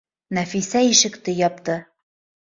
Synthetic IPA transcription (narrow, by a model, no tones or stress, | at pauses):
næfisæiʃɘ̆kt̪ɘjɒp̚t̪ɤ